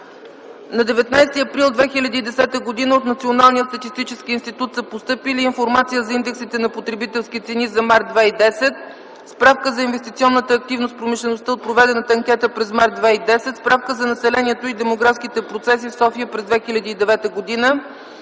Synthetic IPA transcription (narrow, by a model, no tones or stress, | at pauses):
nɐd̪ɛvɛt̪najst̪iɐpɾilˠd̪vɛxilʲɐd̪iːd̪ɛsɛt̪əɡod̪inəot̪nɐt̪sionalˠnijət̪st̪ət̪ist̪it͡ʃɛskiinst̪it̪ut̪səpost̪ɤpiliːnfoɾmat̪sijəzɐind̪ɛksit̪ɛnɐpot̪ɾɛbit̪ɛlˠskit̪sɛnizɐmaɾt̪̚d̪vaid̪ɛsɛt̪̚ | spɾafkəzɐinvɛst̪it̪siɔnːət̪əːk̚t̪ivnost̪̚pɾomiʃlɛnost̪əot̪̚pɾovɛd̪ɛnət̪ɐŋkʲɛt̪əpɾɛzmaɾt̪ːvaid̪ɛsɛt̪spɾafkəzɐnɐsɛlɛniɛt̪oid̪ɛmoɡɾafskit̪ɛpɾot̪sɛs̬ifsɔfiəpɾɛzd̪vɛxilʲɐd̪iːd̪ɛvɛt̪əɡod̪inə